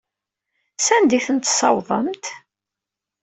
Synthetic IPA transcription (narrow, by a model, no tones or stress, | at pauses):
sænd̪iθənt̪sɑwðˤəmt̪